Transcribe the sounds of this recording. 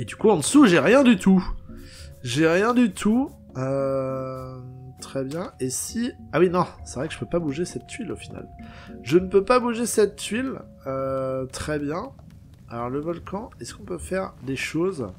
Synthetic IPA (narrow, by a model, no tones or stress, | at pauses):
ed̪ykuɑ̃d̪əsuʒeʁjɛ̃d̪yt̪ʰu | ʒeʁjɛ̃d̪yt̪ʰu | ø | t̪χɛbjɛ̃esiawinɔ̃sɛvʁɛkəʒə̥pøpabuʒesɛt̪ːɥilofina̰lʒənəpøpabuʒesɛt̪ːɥil | øt̪χɛbjɛ̃ | alɔʁləvɔlkʰɑ̃ɛskɔ̃pøfɛʁd̪eʃoz